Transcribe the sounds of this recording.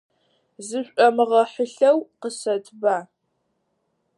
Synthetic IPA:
zɨɕʷʼɐmɨʁɐħəɬɐwqəsɐtʰbaː

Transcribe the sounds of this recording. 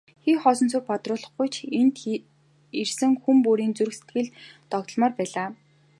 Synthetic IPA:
xiːχɔːsɞ̆nt͡sʰurpat̪rʊːɮɞ̆χɡʊjt͡ɕʰent̪ | ersɘ̆ŋxumpuːɾiːnt͡suɾɘ̆se̥t̪̚ɡɘ̆ɮt̪ɔɣt̪ɞ̆ɮmɔːrpæːɮaː

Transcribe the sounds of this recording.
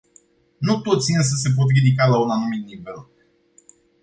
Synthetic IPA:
nut̪o̞t̪sʲiɨns̬əs̬e̞p̬ot̪̬ɾid̪ikalaunanumit̪̚nive̞l

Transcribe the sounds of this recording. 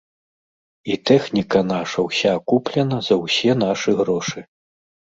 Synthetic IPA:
it̪ɛxnʲikɐnaʂɐwsʲakuplʲɐnɐzɐwsʲɛnaʂɨɣɾɔʂɨ

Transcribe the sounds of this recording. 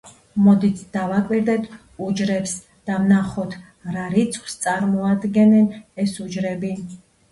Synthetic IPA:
mɔd̪it̪ʰd̪̥avakʼwiɾd̪ɛt̪ʰ | ud͡ʒɾɛps | d̪̥amnaχɔt̪ʰ | ɾaɾit̪sʰχwst̪sʼaɾmɔad̪ɡɛnɛnɛsud͡ʒɾɛbi

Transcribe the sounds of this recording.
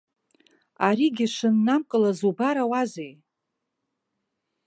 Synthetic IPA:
aɾiɡʲɪʂɨnːamkʼɨlazubaɾawazej

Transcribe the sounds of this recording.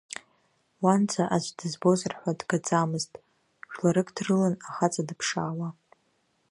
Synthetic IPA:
want͡sʰaʔaʒʷdɨzbozɨrħʷadɡat͡sʼamɨztʼ | ʒᶣlaɾɨkʰʼdrɨlanaχat͡sʼadɨpʰʂaːwa

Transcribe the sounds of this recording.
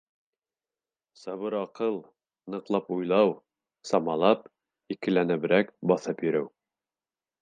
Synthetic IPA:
sɑβɤɾɑqɤlˠ | nɤ̆qlˠɑpujlˠɑw | sɑmɑlˠɑp | ikɘ̆lænæβɘ̆ɾækbɑθɤpjɵ̆ɾɘw

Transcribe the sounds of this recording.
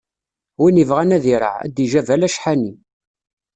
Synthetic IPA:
winivʁænæðiɾˤə̰ʕæ̰d̪iʒævælæʃħani

